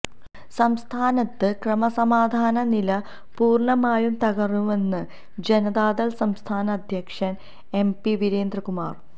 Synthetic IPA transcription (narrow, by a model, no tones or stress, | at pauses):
sɐmst̪ʰaːnɐt̪ːɨkrɐmɐsɐmaːd̪ʱaːnɐnilɐ | puːrɳɐmaːjumt̪ɐɣɐrnuʋe̞nːɨ | d͡ʑenɐðaːd̪ɐlsɐmst̪ʰaːnɐːd̪ʱjɐkʂɐn | empiʋiɾeːnd̪rɐkuma̰ːr